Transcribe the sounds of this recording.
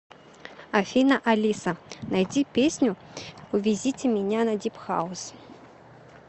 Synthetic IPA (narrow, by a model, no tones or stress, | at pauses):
afʲinɐʔalʲisɐnajdʲipʲesʲnʲu | uvʲizʲitʲemʲɪnʲanadʲipxa̰us